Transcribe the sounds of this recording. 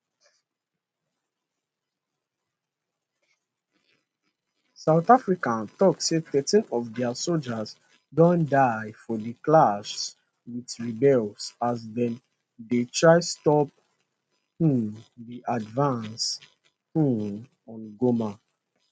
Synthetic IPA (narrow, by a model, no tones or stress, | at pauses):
saʊθafɹikãntɔkseθɛtĩnɔvdɛasold͡ʒas | dɔ̃ndaɪfɔdiklaʃs | wiθɹibɛlsasdɛ̃n | detʰɹaɪstɔp̚ | hũdiʔadvãns | hũ | ɔ̃nɡoma